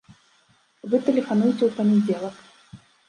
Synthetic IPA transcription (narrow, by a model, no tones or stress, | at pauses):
vɨt̪ɛlʲɛfanujt͡sʲɛwpɐnʲɛd͡zʲɛlˠɐk